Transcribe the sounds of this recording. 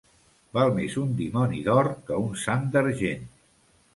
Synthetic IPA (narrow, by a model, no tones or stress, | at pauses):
balˠmezund̪imɔniðɔɾkəunsand̪əɾʒen